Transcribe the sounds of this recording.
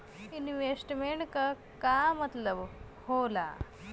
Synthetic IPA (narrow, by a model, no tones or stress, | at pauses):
inʋesʈmeɳʈkɐ | kaːmɐt̪lɐʋ | hoːla̰